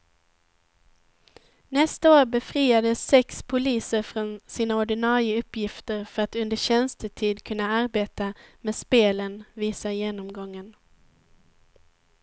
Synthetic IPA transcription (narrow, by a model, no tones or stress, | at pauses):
nɛst̪aoːɾbɛfɾiːad̪əsːɛkspʰʊliːsəɾfɾɔnsiːnaɔɖɪnɑːɾɪəɵpːjɪft̪əɾfœɾat̪ɵnd̪əɕɛnst̪ət̪ʰiːd̪kʰɵnːaaɾbeːt̪ameːspeːlənviːsajeːnɔmɡɔŋːən